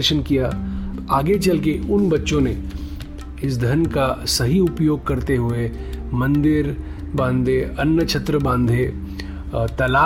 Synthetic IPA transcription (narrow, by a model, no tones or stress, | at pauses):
ɾʃənkijaaːɡet͡ʃɐlkeʊnbɐtːʃõne | ɪs̬d̪ʱɐnkasɐɦiʊpjoːɡ̚kɐɾt̪eɦʊe | mɐ̃nd̪ɪɾ | bãːnd̪ʱeɐnjət͡ʃʰɐt̪ɾəbãːnd̪ʱe | t̪ɐlaː